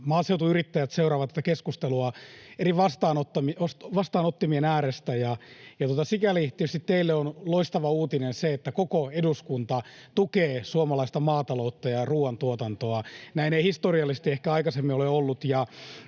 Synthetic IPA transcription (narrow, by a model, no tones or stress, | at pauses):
mɑːseut̪uyrit̪ːæjæt̪seuɾɑːʋt̪ːæt̪ːækeskust̪eluɑeɾiʋɑst̪ɑːnot̪ːɑmiosʋɑst̪ɑːnot̪ːimienæːɾest̪æjɑjɑt̪uot̪ɑsikælit̪ieyst̪it̪t̪eilːeonloist̪ɑʋɑuːt̪inenseet̪ːækokoeduskunt̪ɑt̪ukeːsuomɑlɑist̪ɑmɑːt̪ɑlout̪ːɑjɑruːɑnt̪uot̪ɑnt̪oɑnæineihist̪oriɑlːisest̪iehkæɑikɑsemːioleolːut̪jɑ